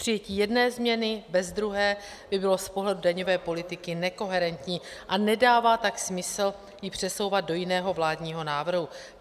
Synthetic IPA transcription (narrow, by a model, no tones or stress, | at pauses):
pr̥ɪjɛciːjɛdnɛːzmɲɛnɪbɛzd̪ɾuɦɛː | bɪbɪlo̞spo̞ɦlɛdudaɲo̞vɛːpo̞lɪt̪ɪkɪnɛko̞ɦɛɾɛnt̪ɲiːʔanɛdaːvaːt̪aksmɪsl̩ | jɪpr̝̥ɛso̞wvat̪̚do̞jɪnɛːɦo̞vlaːdɲiːɦo̞naːvr̩ɦu